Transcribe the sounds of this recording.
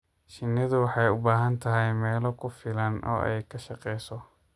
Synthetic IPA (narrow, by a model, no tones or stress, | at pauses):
ʃɪnːɐðʊwɑħɑjʊbaːɦɐnt̪ʰɐɦɛjmɛːlɔkʰʊfɪlɐnʔɔ̰ːʔɛ̰jkʰɐʃɐqɛjsɔ